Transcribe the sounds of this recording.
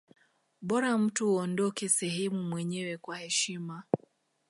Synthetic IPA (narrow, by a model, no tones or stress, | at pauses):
ɓɔɾam̩tuhuɔndɔkɛsɛɦɛmumwɛɲɛwɛkwahɛʃima